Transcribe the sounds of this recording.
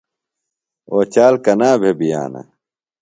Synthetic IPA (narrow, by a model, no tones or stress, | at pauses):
oːt͡ɕaːlkɐnaːbʱebija̰ːna̰